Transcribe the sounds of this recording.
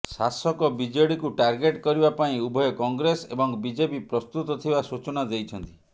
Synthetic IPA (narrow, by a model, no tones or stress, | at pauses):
sasɔkɔbid͡ʒɔɽikuʈaɾɡeʈkɔɾibapaĩubʱɔjɔkɔŋɡɾesebɔŋbid͡ʒepipɾɔst̪ut̪ɔt̪ʰibasut͡ʃɔnad̪ejt͡ʃʰɔnt̪i